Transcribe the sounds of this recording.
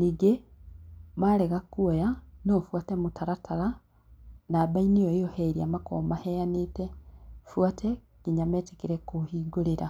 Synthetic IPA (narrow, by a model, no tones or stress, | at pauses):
niɡe | maleɣakuojanofwaːtemutʰaɾatʰaɾa | naːbainijooheɾiamako̰mahejanitefwaːtʰe | kiɲameːti̥kiɾekuhiːɡuliɾa